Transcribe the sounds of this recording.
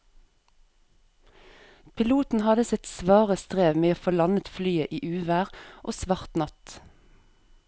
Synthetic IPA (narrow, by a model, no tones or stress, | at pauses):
pʰɪluːt̪n̩hɑd̪əsɪt̪sʋɑːʁəst̪ʁeːʋmeːoːfoːlɑnət̪flyːəʔiːʔʉːʋæːʁʔoːsʋɑʁt̪nɑt̪